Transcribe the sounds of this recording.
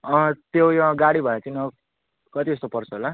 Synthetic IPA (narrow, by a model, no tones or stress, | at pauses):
ʌ̃t̪jojʌɡaɽibʱʌet͡sʰinʌ | kʌt̪iʌst̪opʌrt͡sʰʌɦola